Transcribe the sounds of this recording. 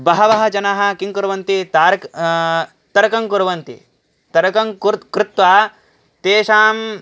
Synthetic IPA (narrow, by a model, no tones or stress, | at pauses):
bɐɦɐʋɐɦɐ̆d͡ʒɐnaːɦɐ̆kiŋkuɾɐʋɐnt̪it̪aːɾk | t̪ɐɾɐkɐŋkuɾɐʋɐnt̪ḭ | t̪ɐɾɐkɐŋkkɾɪt̪ʋaː | t̪eːʃaːm